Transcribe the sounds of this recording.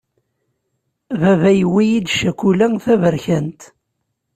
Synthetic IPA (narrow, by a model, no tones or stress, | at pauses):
vævæjwijid̪ʃækʷulæθævəɾçænt̪